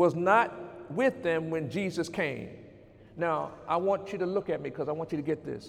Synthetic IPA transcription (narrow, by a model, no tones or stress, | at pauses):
wʌznət̚wɪðɨ̃mwɨ̃nd͡ʒizɨskʰẽɪ̃m | naʊʔa̰ɪwɑ̃nt͡ʃɨɾəlʊkɨt̚mikʰʌzaɪwɑ̃nt͡ʃɨɾɨɡɛt̪̚ðɪ̰s